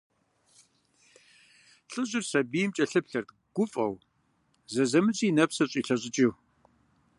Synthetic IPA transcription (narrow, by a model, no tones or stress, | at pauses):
ɬʼɨʑɪrsɐbijmt͡ʃʼɐɬɨpɬɐrt̪ | ɡ̥ʷʊfʼɐ̰w | zɐzɐmɨt͡sʼiːnɐpsɐɕʼiːɬɐɕʼɪt͡ʃʼiw